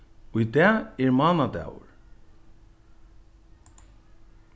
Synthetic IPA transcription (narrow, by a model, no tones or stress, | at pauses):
ʊjt̪ɛːɛɹmɑːnad̪ɛ̰ːwʊ̰ɹ